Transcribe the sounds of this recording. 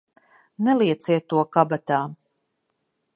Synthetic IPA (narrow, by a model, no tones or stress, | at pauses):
nɛlˠiɛt̪siɛt̪ːuɔkabat̪aː